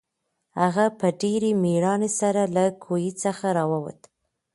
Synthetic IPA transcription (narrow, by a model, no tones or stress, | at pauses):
haɣapəɖeɾemiɾɑnesaɾalakʰojit͡səxaɾɑwawa̰t̪